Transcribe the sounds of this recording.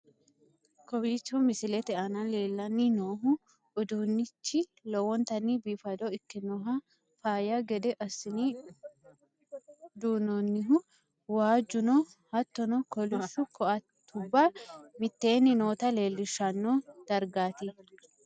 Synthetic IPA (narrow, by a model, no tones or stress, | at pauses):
kɔbiːt͡ʃːumɪsɪlɛt̪ɛʔɐnɐleːlːɐnːinoːɦʊ | ʊd̪uːnːɪt͡ʃːɪlɔwɔnt̪ɐnːiːbiːfɐd̪ɔɪkːɪnɔɦɐ | faːjaɡɛd̪ɛʔɐsːɪni | d̪uːnonːɪɦʊ | waːd͡ʒʊnɔ | hɐt̪ːɔnɔkɔlʊʃʊkɔʔɐtt̪ʰːʊbːamɪt̪ːe̞ːnːɪno̞ːt̪ɐle̞ːlːɪʃːɐnːod̪̥ɐɾɡaːt̪ɪ